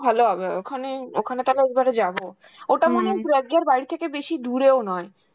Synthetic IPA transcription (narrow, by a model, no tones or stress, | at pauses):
bʱaloabaokʰaneokʰanet̪alaekbaɾed͡ʑabo | oʈamanebɾɛɡlaɾbajɾit̪ʰekebeʃid̪uɾeonɔe